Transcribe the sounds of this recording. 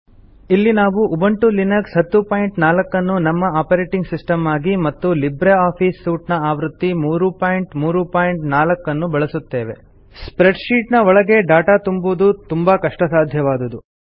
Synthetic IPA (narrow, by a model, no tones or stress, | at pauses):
ilːinaːʋuʔːbɐɳʈulinɐksɦɐt̪ːupaːjiɳʈnaːlɐkːɐnːunɐmːɐaːpɐɾeːʈiŋɡsisʈɐmaːɡimɐt̪ːulibɾeaːpʰiːsːuːʈnɐaːʋɾut̪ːimuːɾupaːjiɳʈmuːɾupaːjiɳʈnaːlɐkːɐnːubɐɭɐsut̪ːe̞ːʋe̞̰ | spɾeɖʃiːʈnɐɔɭɐɡe̞ɖaːʈaːt̪umbud̪ut̪umbɐkɐʂʈɐsaːd̪ʱjɐʋaːd̪ɐd̪u